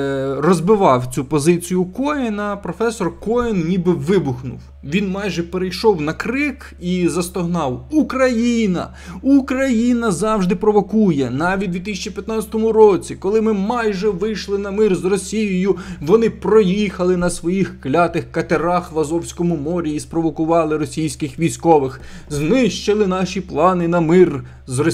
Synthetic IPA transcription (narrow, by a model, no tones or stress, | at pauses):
rɔzbɪʋɑwt͡sʲupɔzɪt͡sʲijʊkɔjɛnɐpɾɔfɛsɔrkɔjɛnnʲibɪʋɪbʊxnʊ̰w | ʋʲinmɑjʒɛpeɾejʃɔwnɐkɾɪk | izɐst̪ɔɦnɑwukɾɐjinɐ̰ | ukɾɐjinɐzɑwʒd̪ɪpɾɔʋɔkujɛnɑʋʲit̪ʲd̪ʋʲit̪ɪsʲɐt͡ʃipʲjɐt̪nɑt͡sʲɐ̥t̪ɔmʊɾɔt͡sʲikɔlˠɪmɪmɑjʒɛʋɪjʃlˠɪnɐmɪrzrɔsʲijɪjʊʋɔnɪpɾɔjixɐlˠɪnɐsʋɔjixklʲɑt̪ɪxkɐt̪eɾɑxʋɐzɔwsʲkɔmʊmɔɾʲiːspɾɔʋɔkʊʋɑlˠɪɾɔsʲijsʲkɪxʋʲijsʲkɔʋɪx | znɪʃt͡ʃelˠɪnɑʃʲiplˠɑnɪnɐmɪr | zrɔ